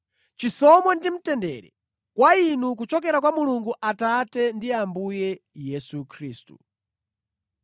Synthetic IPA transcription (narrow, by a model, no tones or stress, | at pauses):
t͡ʃisɔmwɛndim̩tɛndɛ̰ɾɛ̰ | kwainuk̬ut͡ʃɔk̬ɛɾak̬wamuluŋɡuʔatatɛndiambujɛjɛsukʰɾiːstṵ